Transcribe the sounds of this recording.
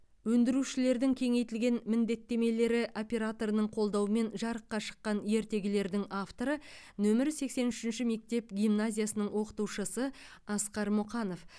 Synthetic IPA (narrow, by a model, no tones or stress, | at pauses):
wɵnd̪ɪɾuʃɪle̞ɾd̪ɪŋkʲʰe̞ŋe̞jt̪ɪlɡʲe̞nmɪnd̪e̞t̪ːe̞me̞le̞ɾɪʔo̞pʲe̞ɾat̪o̞ɾənəɴqʰo̞lˠd̪ɑwəme̞nʒɑɾəqːɑʃə̥qːɑnje̞ɾt̪e̞ɡʲɪle̞ɾd̪ɪŋaft̪o̞ɾə | nɵmɪɾse̞kse̞nʏʃɪnʃɪme̞k̚t̪e̞pɡʲijmnazʲijasənəɴwo̞qə̥t̪uwʃəsəɑsqɑɾmʊqɑno̞f